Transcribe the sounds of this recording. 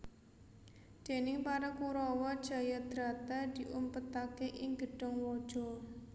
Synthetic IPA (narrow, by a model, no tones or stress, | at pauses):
d̪̥e̤nɪŋpaɾakuɾɔwɔd̥ʒ̥a̤jad̪̥ɾat̪ad̪̥i̤ʔumpət̪akeʔɪŋɡəɖ̥ɔ̤ŋwɔd̥ʒ̥ɔ̤